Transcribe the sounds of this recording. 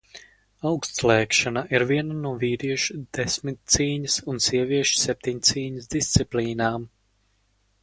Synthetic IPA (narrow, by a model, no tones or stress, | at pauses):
awkst̪slɛːkʃanaʔiɾviɛnanuɔviːɾiɛʃud̪̥ɛsmit̪̚t̪siːɲəsunsiɛviɛʃsɛp̚ʲt̪ʲiɲt̪siːɲəsd̪ist̪siplʲiːnaːm